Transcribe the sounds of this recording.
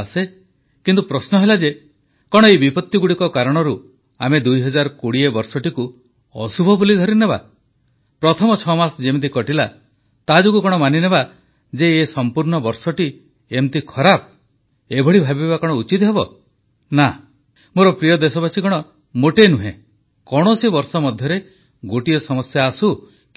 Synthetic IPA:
se | kint̪upɾɔsnɔɦelad͡ʒe | kɔɽ̃ɔejbipɔt̪ːjiɡuɽikɔkaɾɔɽ̃ɔɾu | amed̪ujɦɔd͡ʒaɾɔkoɽiebɔɾsɔʈiku | ɔ̰subʱɔbulid̪ʱɔɾineβa̰ | pɾɔt̪ʰɔmɔt͡ʃʰɔmasɔd͡ʒemt̪̬ikɔʈila | t̪ad͡ʒokukɔɽ̃ɔmanineba | d͡ʒeːsɔmpuɾɳɔbɔɾsɔʈi | emt̪ikʰɔɾap̚ | ebʱɔɽibʱabibakɔɽ̃ɔut͡ʃit̪ɦebɔ | na | moɾɔpɾijɔd̪esɔbasikɔɽ̃ɔ | moʈenuɦḛ̃ | kɔɽ̃ɔsibɔɾsɔmɔd̪ʱjɔɾe | ɡoʈiɔsɔmɔsjaːsu

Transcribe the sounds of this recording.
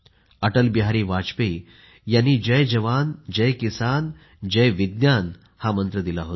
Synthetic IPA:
əʈəlbiɦaɾiːʋat͡ɕpe | janːiːd͡ʑəjd͡ʑəʋand͡ʑəjkisan | d͡ʑəjʋid̪njan | hamənt̪ɾəd̪ilaɦot̪

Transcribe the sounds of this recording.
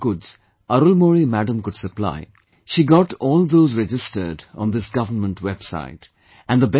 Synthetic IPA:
kʊdz̥ | ʌɾulmɔɹimæɖə̃mkʊd̥səpla̰ɪ | ʃiɡɔʈɔːlˠðoːzɹɛd͡ʒɪstə̰˞ɖɔ̰̃nd̪ɪsɡ̥ʌvənmə̃ntʰwɛb̥sa̰ɪt | ʔæ̃nd̪əbɛ

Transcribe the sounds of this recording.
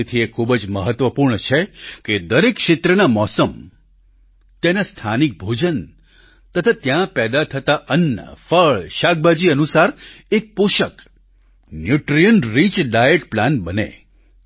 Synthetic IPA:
t̪ʰiekʰubd͡ʒməɦət̪ʋəpuɾɳət͡ʃʰeked̪əɾekʃet̪ɾənamɔsəm | t̪enast̪ʰanik̚bʱod͡ʒən | t̪ət̪ʰat̪jãpɛd̪at̪ʰət̪aʔənːə̰fəɭʃaɡ̚bad͡ʒiənusaɾek̚puʃək | njuʈɾijənɾit͡ʃɖajeʈplanbənḛ

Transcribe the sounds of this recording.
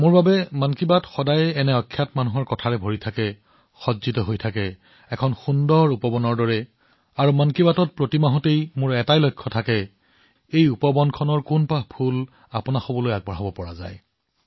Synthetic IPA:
mʊɹbabɛmankibatxɔdajɛnɛɔkʰːjatmanuɦɔɹkɔtʰaɹɛbʱoɹitʰakɛ | xɔdzitɔɦojtʰakɛ | ɛkʰɔnxundɔɹupɔbɔnɔɹdɔɹɛ | aɹumankibatɔt̚pɹotimaɦɔtejmʊɹɛtajlɔjkʰːɔtʰakɛ | ejupɔbɔnkʰɔnɔɹkunpapʰul | apʊnaxobɔlojaɡ̚bɔɦɔbɔpɔɹa̰za̰j

